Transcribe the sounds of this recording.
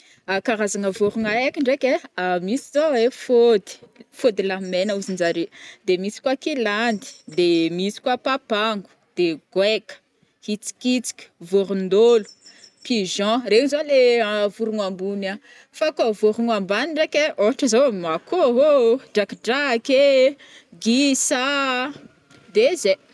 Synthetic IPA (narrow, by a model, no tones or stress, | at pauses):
akaɾazaŋəvoɾuŋajakʲiɳɖ͡ʐekʲeamisizoefod̪i̥fod̪ilamenəuzind͡ʒaɾed̪emisi̥kwakiland̪i̥d̪emisi̥kwapapaŋɡu̥ | d̪̥eɡ̥wekə̥ | hit͡si̥kit͡si̥kʲi̥voɾund̪olu̥piʒɑ̃reɲizoleavuɾuŋambuna | fakavoɾuŋambaniɳɖ͡ʐekeoʈ͡ʂəzoakoɦoɖ͡ʐakiɖ͡ʐaake | ɡisa | d̪eze